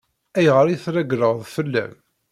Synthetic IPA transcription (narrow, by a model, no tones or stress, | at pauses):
æjʁəɾiθɾæɡɾəʁðˤfəlːæ̰m